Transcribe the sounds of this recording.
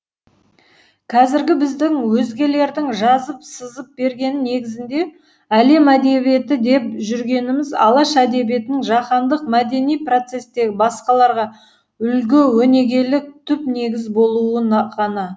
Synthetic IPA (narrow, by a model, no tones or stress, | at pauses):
kʰɑzɪɾɡʲɪbɪzd̪ɪŋwɵzɡʲe̞le̞ɾd̪ɪŋʒɑzəpsəzəp̚be̞ɾɡʲe̞nɪne̞ɡʲɪzɪnd̪e̞ | æle̞mæd̪e̞βije̞t̪ɪd̪e̞p̚ʒʏɾɡʲe̞nɪmɪzɑ̰lˠɑʃæd̪e̞bje̞t̪ɪnɪŋʒɑqɑnd̪əq̚mæd̪e̞nijpro̞t̪se̞sd̪e̞ɡʲɪbɑsqɑlˠɑɾʁɑ | ʏlɡʲɪwɵne̞ɡʲe̞lɪk̚t̪ʰʏpne̞ɡʲɪzbo̞lˠuəɴʁɑnɑ